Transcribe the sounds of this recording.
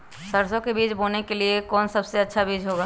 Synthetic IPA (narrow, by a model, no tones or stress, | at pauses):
səɾsõkebiːt͡ʃbonekeliekɔːnsəbseɐtːʃʰabiːd͡ʒɦoɡaː